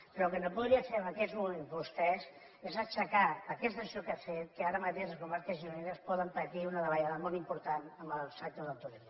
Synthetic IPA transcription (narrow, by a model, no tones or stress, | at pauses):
pɾɔlkənopuðɾiəfeəmbəkɛzmumenpust̪ɛs | ezat͡ʃəkaəkɛst̪əsiokafet̪̚kəaɾəmət̪eʃləskumaɾkəzinuneɾəspɔðəmpət̪iunəðəβəʎaðəmɔlˠimpuɾt̪anəmbəlˠsakt̪əðəlˠt̪ulim